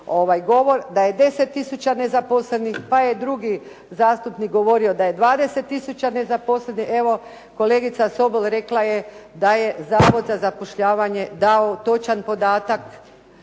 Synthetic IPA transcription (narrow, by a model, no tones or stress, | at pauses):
o̞ʋajɡo̞ʋo̞ɾd̪aje̞d̪e̞se̞t̪ːisut͡ɕane̞zaposlenixpajed̪ɾuɡi | zaːst̪upnik̚ɡo̞ʋo̞ɾio̞d̪aje̞d̪ʋaːd̪e̞se̞t̪ːisut͡ɕane̞zapo̞slenie̞ʋo̞ | ko̞le̞ːɡit̪saso̞belˠɾe̞klˠajed̪aje̞zaːʋod̪zazapoʃʎaːʋaɲe̞d̪aot̪o̞t͡ʃanpo̞d̪aːt̪ak